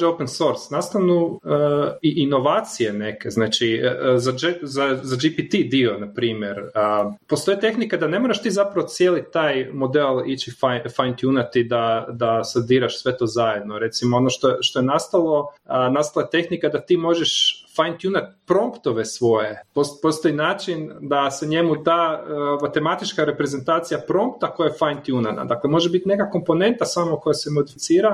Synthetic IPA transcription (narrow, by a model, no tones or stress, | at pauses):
openso̞ɾsnast̪aʋnuəiʔino̞ʋaːt̪sijene̞keznaːt͡ʃizad͡ʒezazad͡ʒipit̪id̪io̞napɾiːmje̞ɾəpost̪o̞jit̪e̞xnikad̪ane̞mo̞ɾaʃt̪iːzapɾaʋot̪sjeːlit̪aːjmo̞d̪elˠit͡ʃifafajnt̪junat̪id̪ad̪ased̪iːɾaʃsʋe̞t̪o̞ːzaje̞d̪noɾe̞t̪simoonoʃt̪oʃt̪o̞jenast̪alˠo̞nast̪alaet̪e̞xnikad̪at̪iːmo̞ʒeʃfajnt̪junat̪pɾo̞mpt̪o̞ʋe̞sʋo̞je̞popo̞st̪oinaːt͡ʃind̪aseɲe̞mud̪aːmat̪e̞mat̪it͡ʃkaɾe̞pɾe̞ze̞nt̪aːt̪sijapɾo̞mpt̪akojaefajnt̪junana̰d̪aklemo̞ʒebit̪ne̞kako̞mpo̞ne̞nt̪asamoko̞jasemo̞d̪ifit̪siːɾa